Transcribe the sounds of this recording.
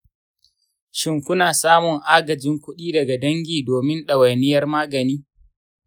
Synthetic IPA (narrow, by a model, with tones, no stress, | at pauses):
ʃɪ˨ŋkʷʊ˦naː˨saː˦mʊ˨ŋʔaː˦ɡɐ˨d͡ʒɪ˦ŋkʷʊ˦ɗiː˦dɐ˨ɡa˨dɐ˦ŋɡʲiː˨doː˨mɪ˦nɗɐ˨wɐ˨nɪ˦jɐ˦rmaː˦ɡɐ˨niː˦